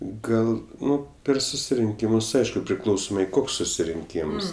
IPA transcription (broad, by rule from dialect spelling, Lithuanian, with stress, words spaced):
ˈɡɐlˠ ˈnʊ ˈpʲɛr sʊsʲɪrʲɪŋʲˈkʲiːmʊs ˈɐɪʃkʊ pʲrʲɪˈklˠɐʊsoːmɐɪ ˈkoːks sʊsʲɪrʲɪŋʲˈkʲiːms